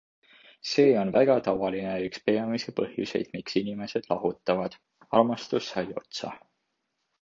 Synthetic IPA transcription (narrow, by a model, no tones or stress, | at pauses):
se̞ːo̞nvæɡ̥ɑt̪ɑvɑlineykspe̞ɑmisepɤhjṵse̞̰jd̪̥miksinime̞se̞d̪̥lɑɦut̪ˑːɑvɑd̪̥ | ɑrmɑst̪usːɑjo̞̰t̪sɑ̰